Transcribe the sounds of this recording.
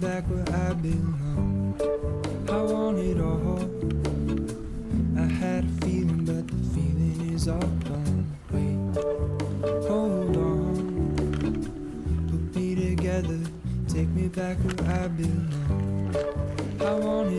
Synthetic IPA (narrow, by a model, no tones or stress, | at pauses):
bækwə˞aɪbɪlʌ̃n | hawɔ̃nɪɾɔɦɔ | aɪhɨd̥filˠɪ̃ŋbʌt̪̚ðəfilˠɪ̃ŋɪzɔd̥õʊ̃nkʰwet | hoʊndɔ | pʰʊk̚miɾɨɡɛðə˞tʰeɪk̚mibækwə˞aɪbɪlːʌ̃n | hawɔ̃nɪ